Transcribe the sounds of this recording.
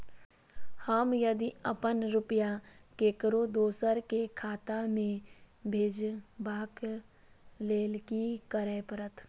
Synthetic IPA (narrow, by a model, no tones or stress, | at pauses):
həmjəd̪iəpənɾʊpəjakeːkɾod̪oːsəɾkekʰaːt̪amẽbʱeːd͡ʒbaːk | leːlkikəɾeːpəɾət̪ʰ